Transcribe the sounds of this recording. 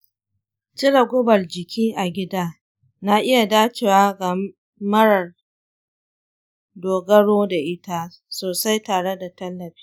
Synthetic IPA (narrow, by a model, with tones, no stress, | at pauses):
t͡ʃɪ˦ɽɐ˨ɡʷʊ˦bɐ˨rd͡ʒɪ˨kʲʰiː˦ʔa˨ɡʲɪ˦daː˦ | na˦ʔɪ˦ja˨daː˦t͡ʃeː˨waː˦ɡa˨ | mɐ˦ɽɐ˨r | doː˨ɡɐ˦ɽoː˦da˨ʔɪ˦ta˦ | soː˨sa˦jtaː˨ɽe˦da˨tɐ˦lːɐ˨ɸi̥ː˦